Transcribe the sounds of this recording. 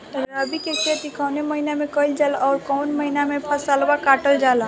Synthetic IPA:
ɾəbiket͡ʃʰeːt̪ikɔːneməinamẽkəɪld͡ʒəlɔːɾkɔːnməɦinamẽpʰəsalbakaːʈəld͡ʒaːla

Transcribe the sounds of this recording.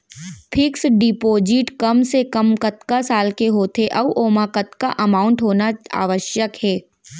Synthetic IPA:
pʰɪksɖɪpoːd͡ʒɪʈkɐmsekɐmkɐt̪kasaːlkeɦoːt̪eʔɐʋʔoːmakɐt̪kaʔɐmaːʊ̃ɳʈɦoːnaa̰ːʋəʃjəkhɛː

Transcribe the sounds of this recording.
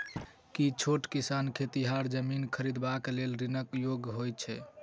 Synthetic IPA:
kit͡ʃʰoʈkisankʰet̪iɦaɾd͡ʒəminkʰəɾid̪baklelɾinəkjoɡɦojt͡ʃʰɛ

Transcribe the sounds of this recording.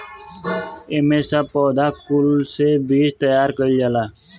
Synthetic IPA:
eːmesaːpɔːd̪aːkulsebiːd͡ʒt̪əjaːɾkəild͡ʒalaː

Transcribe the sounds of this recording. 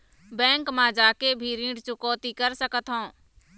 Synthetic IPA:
bɛ̃ːŋkmãd͡ʒaːkebʱiɾĩːɖt͡ʃʊkoːt̪ikəɾsəkət̪ɦõː

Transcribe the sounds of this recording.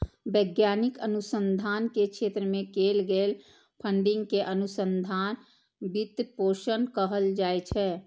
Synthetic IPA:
bəɡjaːnikənusənd̪ʱankekʃʰeːt̪ɾəmẽkelɡel | pʰəɳɖɪ̃ŋɡkeʔənusə̃nd̪ʱaːn | bit̪poːʃənkəɦəld͡ʒaːjt͡ʃʰɛ

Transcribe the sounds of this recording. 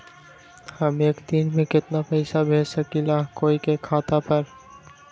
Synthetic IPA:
həmekd̪inmẽkɪt̪napəjsabʱesakilakoikekʰat̪apəɾ

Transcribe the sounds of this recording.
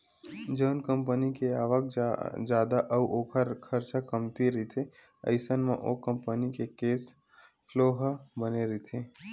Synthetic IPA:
d͡ʒəːnkə̃mpənikeaːʋək̚d͡ʒjaːd̪aʔəwoːkʰəɾkʰəɾt͡ʃakəmt̪iɾəit̪ʰe | ɐ̰ɪsənmḛ̃ʔoːkə̃mpənikekeːs | ploːɦbəneɾit̪ʰeː

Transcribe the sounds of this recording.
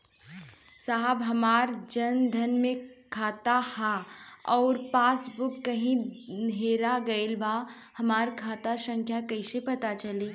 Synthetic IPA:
saɦbɦɐmaːɾd͡ʒɐnd̪ʱɐnmẽkʰaːt̪ahaɔːɾpaːsbʊkːɐɦĩnɦeːɾaɡɐɪlbʱa | hɐmaːɾkʰaːt̪asə̃ŋkʰjakɐisepɐt̪at͡ʃɐleː

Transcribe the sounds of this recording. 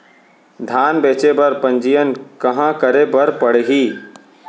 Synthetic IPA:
d̪ʱaːnbeːt͡ʃebəɾpə̃nd͡ʒijənkəɦãkəɾebəɾpəɽɦiː

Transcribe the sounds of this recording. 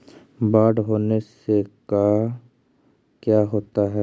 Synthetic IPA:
baːɖɦoːneseka | kjaːɦoːt̪aɦɛ

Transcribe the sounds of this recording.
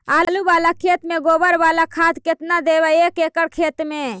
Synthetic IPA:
aːluʋaːlakʰeːt̪mẽɡoːbəɾʋaːlakʰaːt̪kɪt̪nad̪eʋəekekəɽkʰeːt̪mẽ

